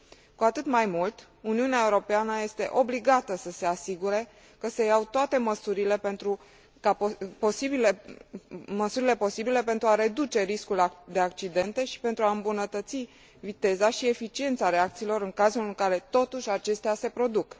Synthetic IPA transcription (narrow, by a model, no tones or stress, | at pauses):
kuat̪ɨt̪majmult̪ | uniuneae̞uɾo̞peanəje̞st̪e̞̰ʔo̞bliɡat̪əsəse̞asiɡuɾe̞ | kəse̞jawt̪oat̪e̞məsuɾile̞pe̞nt̪ɾu | kapposibile | məsuɾile̞po̞sibile̞pe̞nt̪ɾuaɾe̞d̪ut͡ʃe̞ɾiskuld̪e̞ak̚t͡ʃid̪e̞nt̪e̞ʃi̥pe̞nt̪ɾuaɨmbunət̪ət̪si | vit̪e̞zaʃie̞fit͡ʃie̞nt̪saɾe̞akt̪siːlo̞ɾɨŋkazulɨŋkaɾe̞t̪o̞t̪uʃʲat͡ʃe̞st̪ease̞pɾo̞d̪uk